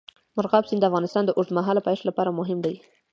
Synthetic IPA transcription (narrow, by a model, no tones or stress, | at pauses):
mʊɾɣɑbsind̪əafɣɑnɪst̪ɑnd̪əʔoɾd̪maɦɑlapɑjʂlapɑɾamʊɦɪmd̪aj